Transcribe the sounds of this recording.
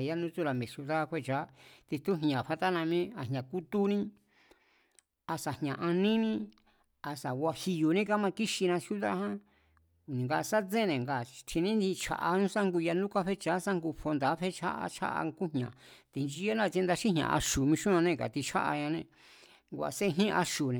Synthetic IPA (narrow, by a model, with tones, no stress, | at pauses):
ja˦nũ˦t͡su˦ɾa˨mĩ˨sju˧ða˦kʷe˦˨t͡ʃa˨˦t̪i˧t̪u˦ɦɲã˨ɸa˧t̪a˦nã˧mĩ˦a˧˨ɦɲã˨ku˦t̪u˦nĩ˦ | a˧sa˨hɲã˨ʔa˧nĩ˦nĩ˦ | a˧sa˨wʷa˧hi˧ju˨nĩ˦ka˦mã˧ki˦ʃi˧nã˧sju˦ða˦˧hã˦˨ | nĩ˨ŋɡa˧ʔsa˦t͡sẽ˦˨nẽ˨ŋɡa˨t͡ʃʰi˧nĩ˦d̪i˧t͡ʃʰa̰˧˨ʔa˧nũ˦sa˦ŋɡu˧ja˧nũ˦kʷa˦ɸe˦t͡ʃa˨˦sa˦ŋɡu˧fo˧nd̪a˨˦ɸe˦t͡ʃʰa̰˦ʔa̰˧t͡ʃʰa̰˦ʔa̰˧ŋku˦hɲã˨ | t̪i˧nd͡ʒi˧˦a˦nã˦˧t͡ʃẽ˧nd̪a˧ʃĩ˦ɦɲ̃ã̰˨ʔa̰˧ʃu˨mĩ˧ʃũ˦ã˧nẽ˧ka̰˨t̪i˧t͡ʃʰa̰˦ʔa̰˧ɲã˧nẽ˧˨ | ŋɡʷa̰˧se˦˧ɦĩ˦˧ʔa˧ʃu˨nẽ˨